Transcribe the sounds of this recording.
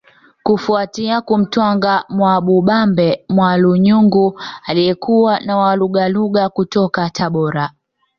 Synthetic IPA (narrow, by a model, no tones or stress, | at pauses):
kufuatiakum̩twaŋɡamwaɓuɓambɛmwaluɲuŋɡualijɛkuwanawaluɠaluɠakutɔkatʰaɓɔɾa